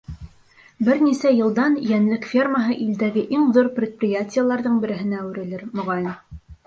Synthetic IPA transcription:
bɘɾnisæjɤ̆lˠd̪ɑnjænlɘkfʲerməɦɤʔild̪æɡɘʔiŋðuɾpɾʲɪt̪̚prʲɪjatʲɪjəlˠɑɾðɤɴbɘ̆ɾɘ̆ɦɘ̆næʉɾɘ̆lɘɾmŏʁɑjn

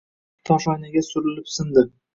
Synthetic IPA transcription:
t̪ʰɒfanɪɡʲasʊɾɪlɪpsɪnd̪ɪ

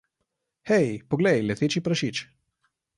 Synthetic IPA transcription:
xɛjpɔɡlɛjlɛt̪eːt͡ʃipɾaʃit͡ʃ

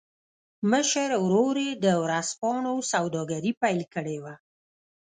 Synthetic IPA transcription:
məʃəɾwɾoɾed̪əwɾaspɑɳosawd̪ɑɡaɾipajlkəɽewa

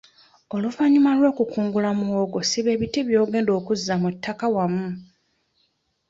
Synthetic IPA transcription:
o̞luvaɲimalwo̞ːkukuːŋɡulamuoɡo̞siβe̞ːβitiβjo̞ːɡe̞ːndo̞ːkuzːamutʰːakawamːu

